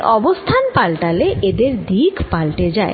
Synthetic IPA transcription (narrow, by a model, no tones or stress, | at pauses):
ʔɔbost̪ʰanpalʈaleʔed̪eɾd̪iɡpalʈed͡ʑae